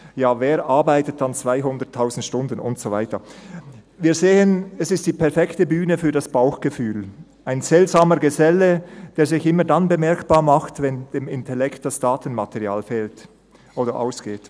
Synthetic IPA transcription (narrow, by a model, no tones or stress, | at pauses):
jaːveːɾʔaɐbaɪtət̚ant͡sv̥aɪɦʊndətʰːaʊzn̩tʃtʊndən̩ʊ̰ntsovaɪtə | viːzeːənɛsɪst̚d̥iːpʰɛɐfɛktəbyːnəfyːɐdasb̥aʊxɡ̥əfyːl | ʔaɪnz̥ɛltz̥aːməɡəzɛləd̥eːɐzɪçʔɪmədanbəmɛɐkb̥aːmaχtvɛnd̥eːmɪntɛlɛkt̚d̥asd̥aːtən̩matʰɛʁia̰ːlfeːlt | ʔoːdəʔa̰ʊsɡ̥eːt